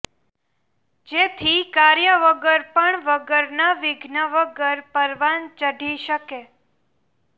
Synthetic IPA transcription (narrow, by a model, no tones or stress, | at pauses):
d͡ʒet̪ʰikaɾjəʋəɡəɾpəɳʋəɡəɾnaʋɪɡʱnəʋəɡəɾpəɾʋant͡ʃəɖʱiʃəke